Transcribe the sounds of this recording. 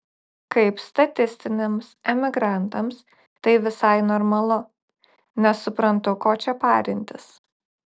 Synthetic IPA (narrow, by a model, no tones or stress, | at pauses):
kɐɪpst̪ɐt̪ʲɪsʲt̪ʲɪnʲɪmsɛmʲɪɡɾɑnt̪ɐms | t̪ɐɪʋʲɪsɐɪnɔɾmɐlˠʊ | nʲɛsːʊpɾɐnt̪ʊkoːt͡ʃʲɛpɑːɾʲɪnʲt̪ʲɪs